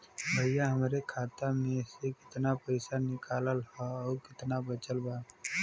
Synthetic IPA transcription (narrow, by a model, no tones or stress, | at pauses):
bʱəjãɦəmɾekʰaːt̪amẽsekɪ̥t̪napəɪsanɪkaːləlhaɔːɾkɪt̪nabət͡ʃəlbaː